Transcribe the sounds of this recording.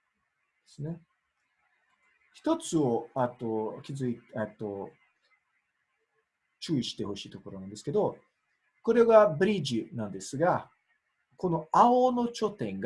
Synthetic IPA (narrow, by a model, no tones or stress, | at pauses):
d̪esɨne̞ | çi̥t̪o̞t͡sɨo̞at̪okʲizɨitet̪ːo̞ | t͡ɕɨːiɕi̥t̪eho̞ɕiːt̪o̞ko̞ɾo̞nãnd̪eske̞d̪o̞ | ko̞ɾe̞ɡabɯ̟ɾʲiʑinãnd̪e̞sɨɡa | ko̞no̞aono̞t͡ɕo̞t̪ẽ̞ŋɡ